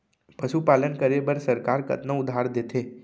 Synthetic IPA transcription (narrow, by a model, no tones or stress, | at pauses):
pɐʃupaːlənkəɾebəɾsɐɾkaːɾkɐ̰t̪nə̃ʊd̪ʱaːɾd̪eːt̪ʰeː